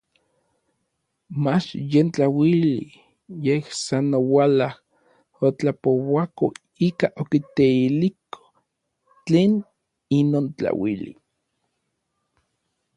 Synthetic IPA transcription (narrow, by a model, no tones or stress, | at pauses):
mat͡ʃjent͡ɬawilḭ | jehsanowalah | ot͡ɬapowako | ikaʔokit̪eilikʰo̥ | t͡ɬeːn | inoːnt͡ɬa̰wilḭ